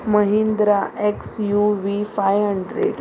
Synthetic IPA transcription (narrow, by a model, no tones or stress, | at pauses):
məɦĩnd̪ɾaʔeksjuʋifajəɳɖɾḛːɖ